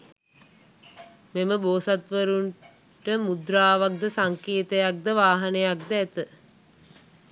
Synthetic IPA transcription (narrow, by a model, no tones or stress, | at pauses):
meməboːsat̪ʋəɾuɳ | ʈəmud̪ɾaːʋak̚d̪əsaŋkeːt̪əjak̚d̪əʋaːɦanejak̚d̪əæt̪ə